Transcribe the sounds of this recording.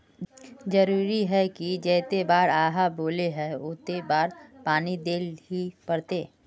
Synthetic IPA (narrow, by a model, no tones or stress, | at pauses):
d͡ʒɐɾuːɾiɦɛkid͡ʒɛːt̪ebaːɾaːɦaboːleɦɛʊt̪ebaːɾpaːnid̪eːlɦipɐɾt̪eː